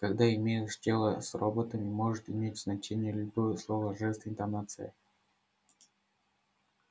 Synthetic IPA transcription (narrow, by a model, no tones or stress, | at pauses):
kɐɡd̪aɪmʲejɪʂdʲelˠəsrobət̪əmʲɪmo̞ʐɨt̪ɪmʲetʲz̥nɐt͡ɕenʲɪjəlʲʊbojəslˠovəʐɛst̪əɪnt̪ɐnat̪sɨ̰jə̰